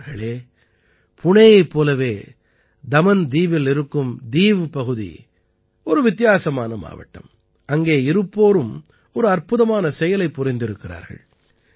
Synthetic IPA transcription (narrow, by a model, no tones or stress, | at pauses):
ɣɐɭeː | pʰʊɳɐjɐɪpːoːlɐʋeː | d̪ɐmɐnd̪iːʋɪlɪɾɯkːɯmd̪iːʋpɐɣɯðḭ | ɔɾɯʋɪt̪ːɪjaːsɐma̰ːnɐma̰ːʋɐ̰ʈːɐ̰m | ɐŋɡeːɪɾɯpːoːɾɯm | ɔɾɯɐrpʊðɐmaːnɐsɛjɐlɐɪpːʊrɐɪnd̪ɪɾɯkːɪra̰ːɾɣɐ̰ɭ